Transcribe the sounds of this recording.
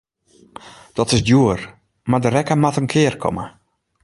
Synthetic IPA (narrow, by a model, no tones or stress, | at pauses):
d̥ɔtɪsdjuər | madəɾɛkəmatənkʰɪərkʰɔ̰mə